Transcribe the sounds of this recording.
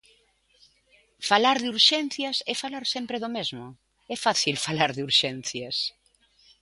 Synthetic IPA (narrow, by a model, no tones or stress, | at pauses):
falaɾðuɾʃɛn̟θjɐsɛfalaɾsempɾeðomezmʊ | ɛfaθilfalaɾðuɾʃɛn̟θjas